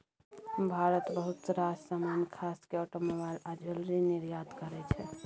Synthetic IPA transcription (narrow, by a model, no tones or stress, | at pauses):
bʱaɾət̪bəɦut̪ɾad͡ʒsamankʰaskeɔʈomobalad͡ʒəlɾiniɾjad̪kəɾɛt͡ʃʰɛ